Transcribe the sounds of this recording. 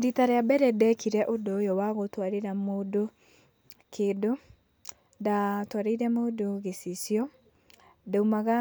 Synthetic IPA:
ditaɾeabɛɾɛdɛkiɾɛʔodojɔwaɣotwaɾeɾamodo | kʰedo | datwaɾeiɾɛmoːdoɣesisjɔ | dɛumaɣa

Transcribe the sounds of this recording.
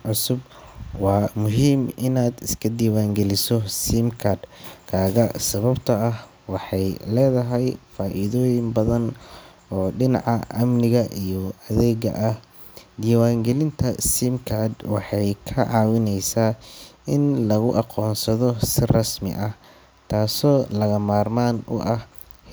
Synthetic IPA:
ʕʊsʊb | wɑːmʊɦiːmɪnaːd̪ɪskʰɐd̪iːwaːŋɡɛlɪsɔsimkʰad̪kʰaːɣɐsɐβɐbt̪ʰɐːh | wɑħɑjlɛːðɐɦɛjfaːʔiðɔːjɪmbɐðɐn | ɔːɖɪnɑ̰ʕɑʔɐmnɪɣɐʔijɔɐðɛːɣɐ̰ʔɐh | d̪iːwaːŋɡɛlɪnt̪ʰɐsimkʰad̪wɑħɑjkʰɐʕɑːwɪnɛjsaːɪnlɐɣʊʔɑqɔːnsɐðɔsɪrɑsmɪ̰ʔɐh | t̪ʰaːsɔːlɐɣɐmaːrmaːnʊ̰ʔɐh

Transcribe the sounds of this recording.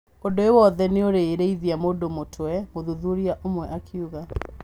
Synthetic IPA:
odoewɔðɛneoɾeːɾeiðiamodomotʰwwɛmoðuðuɾiaʔomwɛʔakʰiuɣa

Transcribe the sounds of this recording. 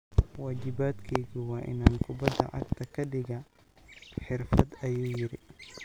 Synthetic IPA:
waːd͡ʒɪbaːd̪kʰɛjɣiwɑːʔɪ̰naːnkʰʊbɐd̪ɐ̰ʕɑ̰kt̪ʰɐkʰɐɖɪɣɐ | ħɪrfɐd̪ɐjoːjɪɾɪ

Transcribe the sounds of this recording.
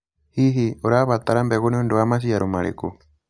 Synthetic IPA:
hiɦioɾaβat̪aɾambɛɣuniondoamas̬iaɾomaɾḛkṵ

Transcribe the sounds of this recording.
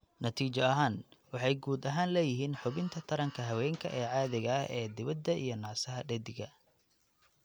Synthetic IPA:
nɐt̪ʰiːt͡ʃɐɐɦaːnwɑħɑjɡuːd̪ɐɦaːnlɛːjɪɦiːnħʊβɪnt̪ʰɐt̪ʰɐɾɐŋkʰɐɦɐwɛːŋkʰɐʔɛːʕɑːðɪɣɐʔɛːd̪ɪβɐd̪ːɐʔḭjɞnɑːsɐɦɐɖɛd̪ɪɡɐ

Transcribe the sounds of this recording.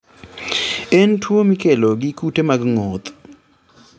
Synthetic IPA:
entwomikeloɡikutemaɡŋot̪

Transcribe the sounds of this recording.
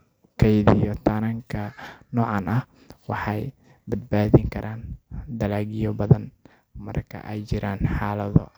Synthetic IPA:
kʰɛjðijɔt̪ʰɐnɐŋkʰɐnɔːʕɑnʔɐh | wɑħɑj | bɐd̪̚baːðɪŋkʰɐɾʔaːnd̪ɐlaːɣɪjɔbɐðɐn | mɐ̰rkʰɐ̰ʔɛjt͡ʃɪɾaːnħɑːlɐðɔ̰

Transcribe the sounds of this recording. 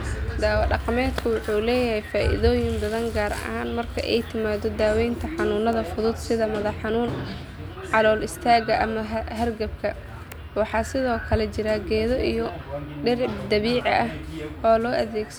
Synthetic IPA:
d̪aːwɐɖɑqɑmɛːt̪kʰʊwʊħuːlɛːjɐɦɛjfaːʔɪ̰ðɔːjɪmbɐðɐŋɡaːɾɐ̰haːnmɐrkʰɐ̰ʔɛjt̪ʰɪmaːd̪ɔd̪aːwɛjnt̪ʰɐħɑnuːnɐðɐfʊðʊd̪sɪðɐmɐðɐħɑnuːn | ʕɑlɔːlɪst̪ʰaːɣɐʔɐmɐɦɐɦɐrɡɐb̚kʰɐ | wɑħɑːsɪðɔːkʰɐlɛt͡ʃɪɾɐɡɛːðɔʔijɔɖɛrd̪ɐβiːʕɑʔɐhɔːlɔːʔɐðɛːɡs

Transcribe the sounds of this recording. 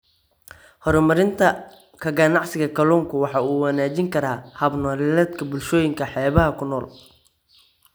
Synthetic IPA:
hɔɾɔmɐɾɪnt̪ʰɐ | kʰɐɡɐnɑʕsɪɣɐkʰɐlɔːŋkʰʊwɑħɑuːwɑnaːt͡ʃɪŋkʰɐɾaːhɐbnɔːlɛɛd̪kʰɐbʊlʃɔːjɪŋkʰɐħɛːβɐɦɐkʰʊnɔːl

